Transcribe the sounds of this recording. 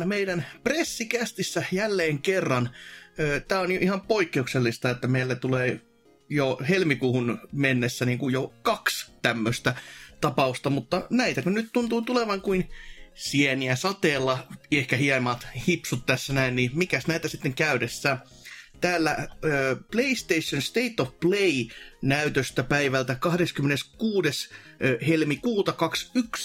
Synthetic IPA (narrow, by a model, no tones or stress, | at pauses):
meidænpresːikæst̪isːæjælːeːŋkerːɑnøːt̪æːonjoʔihɑmpoikːeukselːist̪ɑet̪ːæmeilːæt̪uleː | johelmikuːhunmenːesːæniːŋkujjokɑkst̪æmːøst̪æt̪ɑpɑust̪ɑmut̪ːɑnæit̪ækunnyt̪t̪unt̪uːt̪uleʋɑŋkuinsiɛniæsɑt̪eːlːɑehkæhiɛmɑːt̪hipsut̪t̪æsːænæinnimikæsnæit̪æsit̪ːeŋkæyɾesːæː | t̪æːlːæøːpleist̪eisːonst̪eit̪ːofpleinæyt̪øst̪æpæiʋælt̪ækɑhdeskymːeneskuːdes | helmikuːt̪ɑkɑksyks